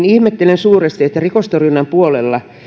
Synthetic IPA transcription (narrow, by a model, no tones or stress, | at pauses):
nihmet̪ːelensuːrest̪iet̪ːærikost̪orynːɑmpuolelːɑ